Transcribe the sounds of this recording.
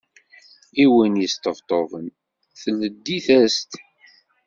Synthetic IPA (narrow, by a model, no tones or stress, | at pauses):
iwənjəst̪əvt̪ˤovən | θəlːəd̪ːiθæst̪